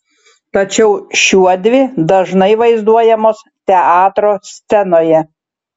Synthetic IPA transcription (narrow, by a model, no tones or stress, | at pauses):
t̪ɐt͡ʃʲɛʊʃʲuɔd̪ʲʋʲɪd̪ɐʒnɐɪʋɐɪzd̪uɔjɛmoːs | t̪ʲɛɑːt̪ɾoːsʲt̪sʲɛnoːjɛ